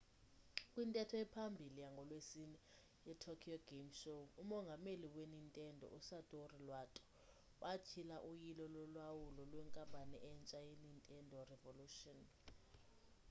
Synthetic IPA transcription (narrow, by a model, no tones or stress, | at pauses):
kʼwintʼɛtʰɔjɛpʰambʱilijaŋɡʱɔlwesinɛ | jɛtʰɔkʰiɔɡemʃoumɔŋɡʱameliwenintʼɛndʱɔ̰ʔusatʼorilwatʼɔ̥ | wʔat͡ʃʰilaʔujilɔlɔlwawulɔlwɛŋkʼambʱʼanɛʔɛnt͡ʃʼajenintʼɛndʱɔrɛvoluːʃɔn